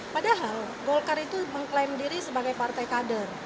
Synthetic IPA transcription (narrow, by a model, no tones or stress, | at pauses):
padaɦal | ɡɔlkarit̪uməŋklamdiɾisəbaɡajpart̪ajkadər